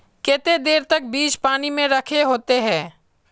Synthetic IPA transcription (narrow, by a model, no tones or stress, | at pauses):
keːt̪ed̪eːɾt̪ɐk̚biːt͡ʃpaːnimẽɾɐkʰeɦoːt̪eɦɛ̃ː